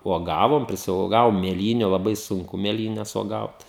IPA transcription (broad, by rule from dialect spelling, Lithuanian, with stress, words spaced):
uɔˈɡɑːʋoːm pʲrʲɪsʲuɔˈɡɑːʋoːm mʲeːˈlʲiːnʲʊ lˠɐˈbɐɪ sʊŋˈkʊ mʲeːˈlʲiːnʲɛs uɔˈɡɐʊt